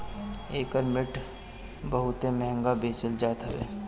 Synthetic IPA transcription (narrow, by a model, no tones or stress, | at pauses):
eːkəɾmɪʈ | bəɦʊt̪emɛɦə̃ŋɡabeːt͡ʃəld͡ʒaːt̪aʋḛː